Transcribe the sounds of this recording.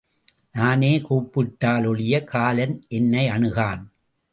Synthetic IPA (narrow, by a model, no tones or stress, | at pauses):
naːneːkuːpːɪʈːaːlɔɭɪjɐkʰaːlɐnʔɛnːɐɪɐɳɯɣaːn